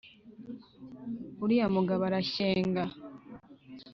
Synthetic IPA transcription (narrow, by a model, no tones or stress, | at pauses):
uɾijamuɡaβaɾaɕeːŋɡa